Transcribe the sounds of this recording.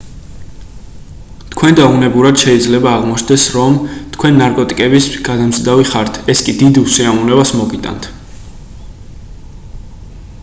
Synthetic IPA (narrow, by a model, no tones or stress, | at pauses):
t̪ʰkʰwɛnd̪aunɛbuɾad̪̥ʃɛid̪zlɛbaːʁmɔt͡ʃʰnd̪ɛsɾɔmt̪ʰkʰwɛnːaɾkʼɔt̪ʼikʼɛbisɡad̪amzd̪aviχaɾt̪ʰɛskʼid̪id̪usiamunɛbasmɔɡit̪ʼa̰nt̪ʰ